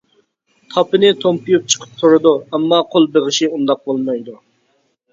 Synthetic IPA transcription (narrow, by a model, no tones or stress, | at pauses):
t̪ʰɑpɨnɪt̪ʰompʰujup̚t͡ʃʰə̥qʰə̥p̚t̪oɾɨd̪uɛmːɑqʰolˠbeʁɪʃiund̪ɑq̚bolˠmɑjd̪u